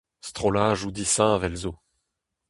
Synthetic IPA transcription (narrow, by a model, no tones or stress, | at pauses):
st̪χɔlaːʒud̪isɛ̃vɛlzo